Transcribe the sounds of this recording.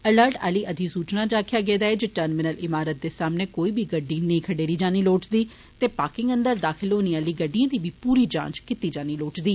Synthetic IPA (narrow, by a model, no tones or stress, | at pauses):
ələɾʈa̰ːliːʔəd̪ʱiːsuːt͡ʃnaːd͡ʒaːkʰɪjaːɡeːd̪aːeːd͡ʒeʈəɾnmɪnəlɪmaːɾət̪̚d̪eːsaːmneːkoːiːbiːɡəɖːiːnəĩːkʰəɖeːɾiːd͡ʒaːniːloːʈd̪iː | t̪eːpaːkɪ̃ŋɡənd̪əɾd̪aːkʰɪlɦoːniːaːliːɡəɖijãːd̪iːbiːpuːɾiːd͡ʒã̰ːt͡ʃkɪt̪iːd͡ʒaːniːloːʈd̪iː